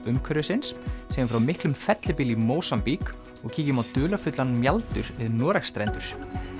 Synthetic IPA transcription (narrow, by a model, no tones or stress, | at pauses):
ʏmkʰœɾɪsɪnsːɛjɪmfɾawmɪhklʏmfɛt̪lɪpɪlimoːwsampik | ɔɣcʰiːcɪmawt̪ʏːlafʏt̪lanmjalt̪ʏ̰ɾvɪðnɔːɾaxst̪ɾɛjnt̪ʏɾ̥